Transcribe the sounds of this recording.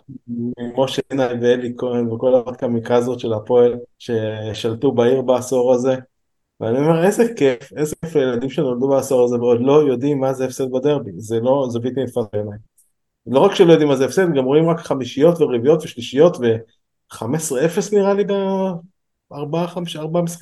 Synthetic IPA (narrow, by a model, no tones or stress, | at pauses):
imo̞ʃenajveelikʰoinveko̞laad̪kamikʁazo̞t̪ʃe̞lapo̞elʃe̞ʃalt̪ubaiʁbaːso̞ʁaze̞ | vḛanio̞me̞ʁe̞zekefe̞zekefajelad̪imʃenold̪ubaːso̞ʁazeveod̪lo̞jo̞d̪imːazeːfsed̪̚bad̪e̞ʁbizelo̞zebit̪imifazbeanaj | lo̞ʁakʃelojo̞d̪imːazeefsed̪ɡamʁoimʁakχamiʃijo̞t̪veʁivijo̞t̪veʃliʃijo̞t̪ve̞ | χamesʁeefesniʁaliɡa | aʁbaaχamʃaʁbaamesʁe